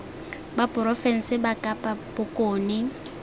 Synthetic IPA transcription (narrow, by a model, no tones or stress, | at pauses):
bapʼʊɾɔfɛn̩sɪbakʼapʼabʊkʼoːnɪ